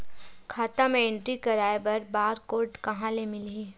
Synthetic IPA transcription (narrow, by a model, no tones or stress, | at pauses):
kʰaːt̪amẽẽɳʈɾikɐɾaːebɐɾbaːɾkoːɾʈkɐɦãlemɪliː